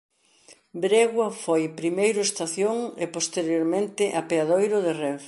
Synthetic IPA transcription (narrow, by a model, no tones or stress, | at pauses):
bɾeɣwɐfojpɾimejɾʊest̪aθjoŋepost̪eɾjoɾmẽnt̪ɪʔapeaðojɾʊðɪrɛf